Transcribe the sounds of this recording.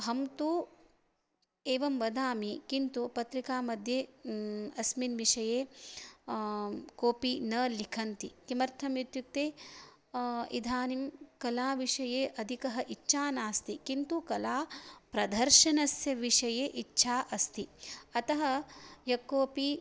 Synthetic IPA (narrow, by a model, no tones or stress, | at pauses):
ɦɐmt̪u | eːʋɐmʋɐd̪ʱaːmikint̪upɐt̪ɾikaːmɐd̪ʱjeː | ɐsminʋiʂɐjeː | koːpinɐlikʰɐnt̪ikimɐɾt̪ʰɐmjut̪juk̚t̪eː | ḭd̪ʱaːnimkɐlaːʋiʂɐjeːʔɐd̪ʱikɐɦɐʔitːʃʰaːnaːst̪ikint̪ukɐlaːpɾɐd̪ʱɐɾʃɐnɐsjɐʋiʂɐjeːʔitːʃʰaːʔɐst̪iɐt̪ɐɦɐjɐkːoːpi